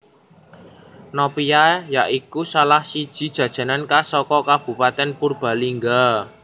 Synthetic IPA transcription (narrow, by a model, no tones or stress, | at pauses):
nɔpijajaʔikusalahsid̥ʒ̥i̤d̥ʒ̥ä̤d̥ʒ̥ä̤nankasɔkɔkab̥ṳpat̪ɛnpurb̥a̤liŋɡa